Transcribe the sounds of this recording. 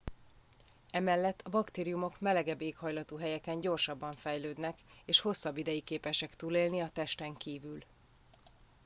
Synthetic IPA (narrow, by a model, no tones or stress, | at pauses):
ɛmɛlːɛt̪ʰːɒbɒkt̪eːɾijumo̞kmɛlɛɡɛbːeːkhɒjlɒt̪uːɦɛjɛkɛɲɟo̞rʃɒbːɒɱfɛjløːd̪nɛk | eːʃho̞sːɒbːid̪ɛjikeːpɛʃɛkt̪uːleːlniɒt̪ɛʃt̪ɛŋkiːvyl